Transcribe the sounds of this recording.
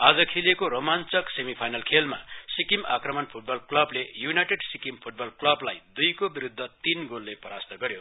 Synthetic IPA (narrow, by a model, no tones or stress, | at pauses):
ad͡zʌkʰilekoɾomant͡sʌksemipʰajnʌlkʰelma̰sikimakrʌmʌnpʰuʈ̚bʌlklʌblejunajʈeɖsikimpʰuʈ̚bʌlklʌblajd̪ujkobiɾud̪ʱːʌt̪inɡolːepʌɾast̪ʌɡʌɾjo